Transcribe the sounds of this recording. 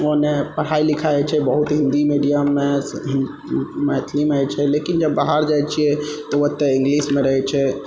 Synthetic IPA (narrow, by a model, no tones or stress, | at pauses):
oɦnepəɽ̤ailikʰaɛt͡ʃʰɛbəɦut̪ɦĩnd̪imiɖijamːe | mɛt̪ʰlimajt͡ʃʰɛlekind͡ʒəbːaɦaɾd͡ʒajt͡ʃʰiɛt̪ɔʋət̪ːɛĩŋɡlismeɾəɦɛt͡ʃʰɛ